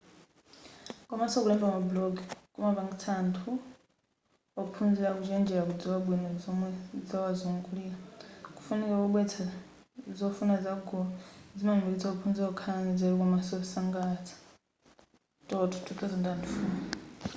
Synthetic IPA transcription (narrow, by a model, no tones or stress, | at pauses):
kɔmasɔk̬ulɛmbamablɔɡkʼumapaŋɡit͡sʰantʰu | ɔkupʰund͡ziɺakud͡ʒɛnd͡ʒɛɺakud͡ziwaɓwinɔd͡zɔmwɛd͡zawazuŋɡuliaku̥funikakuɓwɛt͡sʰa | zɔfunazaɡɔd͡zimaŋdiit͡sʰaɔk̬upʰund͡ziakukʰaanɛd͡zaɾikɔmasɔsaŋɡat͡sʰḁ | tʼɔtʰu̥tʰukʰɔzindandufuna